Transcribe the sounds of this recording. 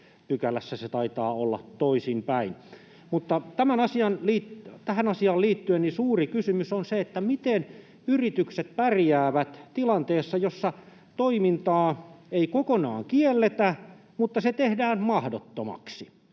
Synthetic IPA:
p̪ykælæsːæset̪ɑit̪ɑːolːɑ̰t̪toisimpæin | mut̪ːɑt̪æmænɑsiɑnliːtt̪æhænɑsiɑːlliːt̪ːyennisuːrikysymysonseet̪ːæmit̪en | yrit̪ykset̪̚pærjæːʋæt̪t̪ilɑnt̪eːsːɑjosːɑ | t̪oimint̪ɑːeikokonɑ̰ːŋkielːet̪æ | mut̪ːɑset̪ehdæːnmɑhdot̪ːomɑ̰ksi

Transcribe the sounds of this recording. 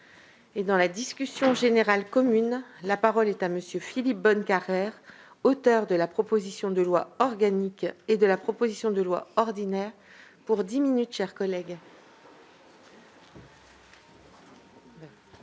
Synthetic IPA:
ed̪ɑ̃lad̪iskʲysjɔ̃ʒeneʁalkɔmynlapaʁɔlɛt̪aməsjøfilip̚bɔnkaʁɛʁ | ot̪œʁd̪əlapχɔpozisjɔ̃d̪əlwaɔʁɡaniked̪əlapχɔpozisjɔ̃d̪əlwa̰ɔʁd̪inɛʁ | puʁd̪iminyt̪ʃɛʁkɔlɛɡ

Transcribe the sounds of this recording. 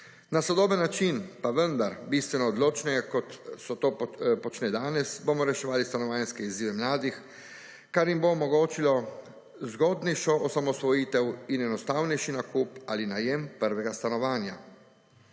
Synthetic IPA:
nasɔd̪oːbənːat͡ʃinpaʋənd̪aɾbist̪ʋɛnɔːd̪loːt͡ʃnɛɡakɔt̪sɔt̪oːpɔt͡ʃnɛːd̪aːnɛsbomɔɾɛʃɛʋaːlist̪anɔʋaːnskɛiziːʋɛmlaːd̪ix | kaɾjimboːmɔɡoːt͡ʃilɔ | zɡɔːd̪nɛjʃɔʔɔsamɔsʋɔjiːt̪ɛwinɛnɔst̪aːwnɛjʃinakupalinajɛmpəɾʋɛɡast̪anɔʋaːnja

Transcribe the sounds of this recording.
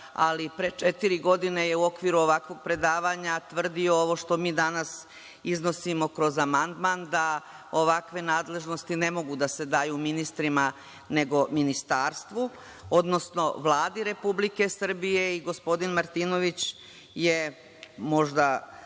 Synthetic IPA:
a̰lipɾet͡ʂet̪iɾiɡo̞d̪ineje̞uo̞kʋiːɾuo̞ʋakʋo̞ɡ̚pɾe̞d̪aːʋaɲat̪ʋr̩d̪io̞oʋo̞ʃt̪o̞miːd̪anas | izno̞simo̞kɾo̞zamand̪maːnd̪a | oʋakʋe̞naːd̪le̞ʒno̞st̪ine̞mo̞ɡud̪ase̞d̪ajuminist̪ɾima | ne̞ɡo̞minist̪aːɾst̪ʋu | o̞d̪no̞sno̞ʋlˠaːd̪iɾe̞publike̞sr̩bije̞iɡo̞spo̞d̪inmaɾt̪iːno̞ʋit͡ɕ | je | mo̞ʒd̪a

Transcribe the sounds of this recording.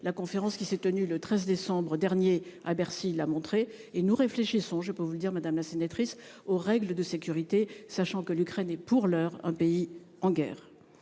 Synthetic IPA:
lakɔ̃feʁɑ̃skʲisɛt̪ənylət̪χɛzd̪esɑ̃bʁəd̪ɛʁnjeabɛʁsilamɔ̃t̪χe | enuʁefleʃisɔ̃ʒəpøvuləd̪iʁmad̪amlasenat̪χisoʁɛɡləd̪əsekʲyʁit̪esaʃɑ̃kəlykχɛnɛpuʁlœʁɛ̰̃pei | ɑ̃ɡʲɛ̰ːʁ

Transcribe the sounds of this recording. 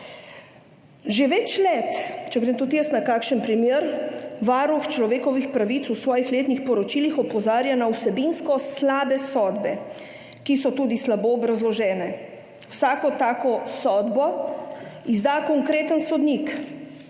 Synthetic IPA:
ʒeʋɛt͡ʃlɛt̪t͡ʃɛɡɾemt̪ut̪jəst̪nakaːkʃənpɾimjeɾʋaːɾuxt͡ʃlɔʋeːkɔʋixpɾaʋit̪susʋɔːjixleːt̪nixpɔɾɔt͡ʃilixɔpɔzaːɾjanawsɛbinskɔslaːbɛsɔd̪bɛ | kisɔt̪uːd̪islaboɔbɾazlɔʒɛːnɛ | wsaːkɔt̪aːkɔsɔːd̪bɔ | izd̪aːkɔŋkɾeːt̪ənsɔd̪nik

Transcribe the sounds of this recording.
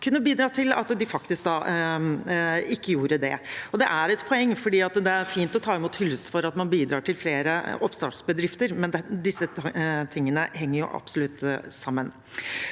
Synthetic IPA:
kʰʉnːəbiːd̪ɾɑːt̪ʰɪlɑ̰t̪d̪ɪfɑkt̪ɪsk̚d̪ɑː | ɪkːəjuːɾəd̪ɛ̰ɔd̪ɛʔæɾɛt̪pʰɔɛŋːfɔɖiːɑt̪d̪ɛæɾfiːnt̪ɔt̪ʰɑːɪmuːt̪hʏlst̪fɔɾɑt̪mɑnbiːd̪ɾɑːʈɪlfleːɾəɔpst̪ɑ̰ːʈsbəd̪ɾɪft̪əɾmɛnd̪ɛd̪ɪsːət̪ʰɪŋːənəhɛŋːəɾjʊ̰ʔɑ̰b̥sɔlʉt̪ːsɑmːən

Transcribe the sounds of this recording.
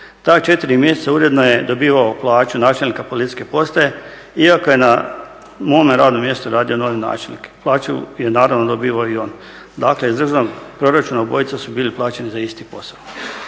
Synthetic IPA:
t̪aːt͡ʃe̞t̪iɾimjeset̪sauːɾe̞d̪nojed̪o̞biːʋaoplˠaːt͡ʃunaːt͡ʃelnikapolit̪i̥skepo̞st̪aje | iakojena | momeɾaːd̪no̞mje̞st̪uɾaːd̪io̞noʋena̰ːt͡ʃelnike̥plˠaːt͡ʃṵje̞naːɾaʋnod̪o̞biːʋaoio̞n | d̪akleizd̪r̩ʒnoɡpɾo̞ɾat͡ʃunaobo̞jit̪sasubiːliplˠaːt͡ɕe̞nizaist̪ipo̞sao

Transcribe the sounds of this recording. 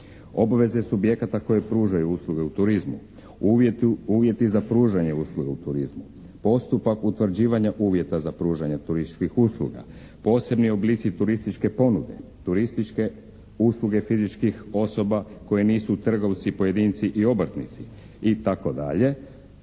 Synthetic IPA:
o̞baʋe̞ze̞subje̞kat̪ako̞je̞pɾuːʒajuuːslˠuɡe̞ut̪uɾizmṵ | uːʋje̞t̪izapɾuːʒaɲeuːslˠuɡeut̪uɾizmu | po̞st̪upakut̪ʋrɾd͡ʑiːʋaɲaʔuːʋjet̪azapɾuːʒaɲat̪uɾist̪i̥t͡ʃkixuːslˠṵɡa̰ | po̞ːse̞bnio̞bliːt̪sit̪uɾist̪it͡ʃke̞po̞nud̪e̞̰t̪uɾist̪it͡ʃke̞ | uːslˠuɡe̞fizit͡ʃkixo̞so̞bako̞jeniːsut̪r̩ɡo̞ʋt̪sipo̞je̞d̪iːnt̪siʔio̞br̩t̪nit̪si | it̪ako̞d̪a̰ʎe̞

